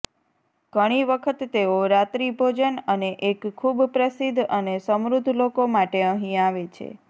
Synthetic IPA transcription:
ɡ̥əɽ̃iʋəkʰət̪ːeoɾat̪ɾibʱod͡ʒənəneʔekʰːubpɾəsid̪ʱənesəmɾud̪ʱːlokomaʈeə̃ɦĩaʋet͡ʃʰḛ

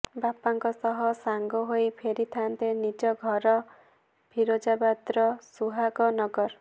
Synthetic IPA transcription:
bapaŋkɔsɔɦɔsaŋɡɔɦojpʰeɾit̪ʰant̪enid͡ʒɔɡʱɔɾɔ | bʱiɾod͡ʒabad̪ɾɔsuɦaɡɔnɔɡɔɾ

